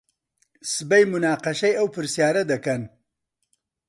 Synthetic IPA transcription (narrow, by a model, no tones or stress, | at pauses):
sɨbɐjmunaːqɐʃɐjɐwpʰɨɾsjaːɾɐd̪ɐkɐn